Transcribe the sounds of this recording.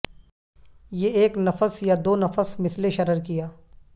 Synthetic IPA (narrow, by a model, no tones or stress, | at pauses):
jeːeːknɐfəsjad̪oːnɐfəsmɪsleʃɐɾəɾkijaː